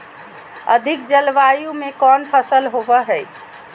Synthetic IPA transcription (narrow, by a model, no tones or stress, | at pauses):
ə̰d̪ʱik̚d͡ʒəlʋajumekɔnpʰəsəlɦobəɦɛː